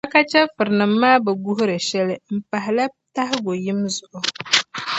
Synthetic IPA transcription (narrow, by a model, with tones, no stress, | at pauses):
a˦ka˦t͡ʃɛ˦fɨ˨ɾɨ˨nɨ˨mː˦aː˦bɛ˨ɡu˦ɦʊ˦ɾɨ˨ʃɛ˦lɨ˦m̩˨pa˨ɦɪ˨la˦ | ta˦hɪ˦ɡo˨ji˦mzʊ˨ʔʊ˨